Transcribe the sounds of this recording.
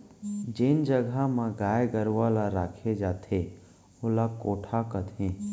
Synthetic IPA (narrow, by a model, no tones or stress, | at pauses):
d͡ʒɪnd͡ʒəɡʱamãɡaːjɡəɾʋalaɾaːkʰed͡ʒaːt̪ʰe | ʊlakoːʈʰakət̪ɦẽː